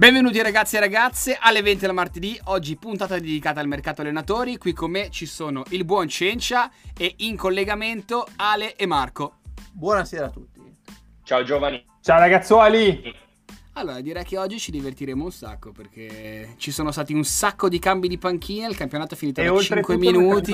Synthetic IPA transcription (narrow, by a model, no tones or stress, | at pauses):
bɛɱvenuːt̪iaɾaɡat̪sːieɾaɡat̪sːeʔalːevɛnt̪id̪lamart̪ed̪iɔd͡ʒːipunt̪aːt̪ad̪ed̪ikaːt̪aːlmerkaːt̪oalːenat̪oːɾikwikʰːomːet͡ʃisoːnoʔilbwɔnt͡ʃent͡ʃaeiŋkolːeɡament̪oaːleʔemːarkobwɔːnaseːɾaːt̪ːut̪ːi | t͡ʃaod͡ʒoːvani | t͡ʃaoɾaɡat̪sːɔli | alːoːɾad̪iɾɛjk̟eɔd͡ʒːit͡ʃid̪ivert̪iɾeːmounsa̰kːoperk̟ʰet͡ʃisoːnost̪aːt̪iunsakːod̪ikambid̪ipaŋk̟ʰiːneilkampjonaːt̪oɛfːiniːt̪oolt͡ʃ̪ɾieŋkweminut̪i